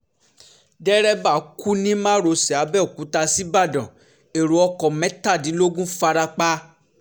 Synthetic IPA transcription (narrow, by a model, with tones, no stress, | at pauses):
dɛ˦ɾɛ˦ba˦˨˦ku˦nĩ˦mã˦ɾo˧sɛ˨a˨˦bɛ˦o˨ku˨˦ta˧si˦ba˦˨dã˨ | e˨ɾu˨˦ɔ˧kɔ˨mɛ̃˨˦ta˦˨dĩ˨˦lo˦ɡũ˦fa˧ɾa˧k͡pa˦